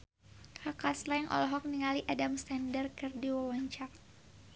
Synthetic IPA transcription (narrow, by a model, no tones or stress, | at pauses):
kakaslaŋʔɔ̰lɔɦɔk̚niŋaliʔadamst̪ɛndərkɨrdiwawɔɲt͡ʃak̚